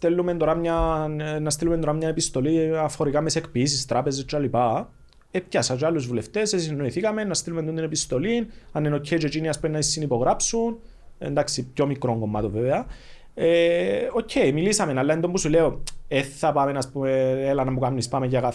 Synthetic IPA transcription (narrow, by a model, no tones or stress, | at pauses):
t̪elːument̪o̞ɾamɲanːɐst̪ilumnt̪o̞ɾamɲɐe̞pist̪o̞liɐfo̞ɾikamesekpis̬ist̪ɾape̞zest͡ʃːalipa | ep̚casɐt͡ʃealːuzvule̞ft̪eses̬inːo̞iθikɐme̞nːɐst̪ilumend̪ond̪ine̞pist̪o̞linɐnːenocʰːeit͡ʃet͡ʃiniɐspuenːɐisːinipo̞ɣɾapsun | ḛnd̪aksipço̞mikɾoŋɡo̞mːat̪oveveɐ | eo̞cʰːe̞jmilisɐme̞nalːɐend̪ombusuleoeθːapamenaspumeelɐnɐmukamnispameɲɟaɣa